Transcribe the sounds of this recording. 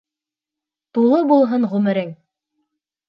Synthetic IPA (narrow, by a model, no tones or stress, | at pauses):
t̪ulˠɤbulˠɦɤnʁʉmɘ̆ɾɘŋ